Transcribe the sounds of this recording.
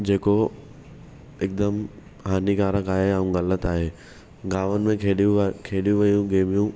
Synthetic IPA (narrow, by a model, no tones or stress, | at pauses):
d͡ʑeːko | ɪk̚d̪əm | ɦaːniɡaːɾəkaːɦeaũɣɐlət̪aːɦeː | ɡaːʋənɪ̆mẽkʰeːɗjũkʰeːɗijũʋɐjũɡeːmijũ